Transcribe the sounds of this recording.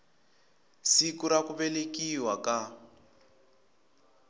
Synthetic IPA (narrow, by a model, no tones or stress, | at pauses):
sikuɾakuβɛlekiwaka